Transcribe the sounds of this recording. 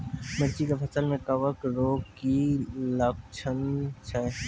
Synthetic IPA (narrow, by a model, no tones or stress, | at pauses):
məɾt͡ʃikefʰɐsəlmẽkɐʋəkɾoːɡkilɐk̚t͡ʃʰənt͡ʃʰɛ